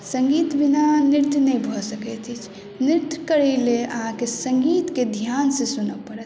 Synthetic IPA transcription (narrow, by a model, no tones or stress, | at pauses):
səŋɡit̪binaniɾt̪jnəjbʱɔsəkɛt̪ʰit͡ʃʰ | niɾt̪jkəɾɛleə̰ɦãkesə̃ŋɡit̪ked̪ʱjansẽsunəpəɾət̪